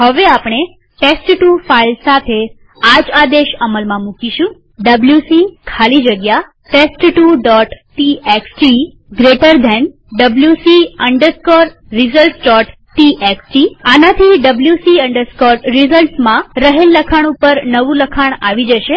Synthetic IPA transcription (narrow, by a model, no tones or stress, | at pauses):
ɦəʋeapɳ̃e | ʈesʈʈufailsat̪ʰe | ad͡ʒad̪eʃəməlmãmũkiʃũ | ɖəbljusikʰalid͡ʒəɡja | ʈesʈʈuɖɔʈʈieksʈi | ɡɾeʈəɾd̪ʱɛn | ɖəbljusiəɳɖəɾskɔɾ | ɾizəlʈsɖɔʈ | ʈiʔeksʈianat̪ʰiɖəbljusiəɳɖəɾskɔɾɾizəlʈsmãɾəɦelːəkʰaɽ̃upəɾnəʋũləkʰaɳ̃aʋid͡ʒəʃe